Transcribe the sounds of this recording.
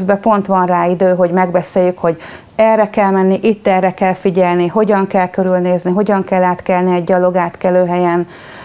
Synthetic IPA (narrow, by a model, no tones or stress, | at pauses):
zbɛpo̞nt̪ʋɒnraːid̪øːɦo̞ɟmɛɡbɛseːjːykho̞ɟ | ɛrːɛkɛlmɛnːiʔit̪ːɛrɛkɛlfiɟɛlniɦo̞ɟɒŋkɛlkø̞ɾylneːzniɦo̞ɟɒŋkɛlːaːt̪kɛlniɛɟːɒlo̞ɡaːt̪kɛløːɦɛjɛn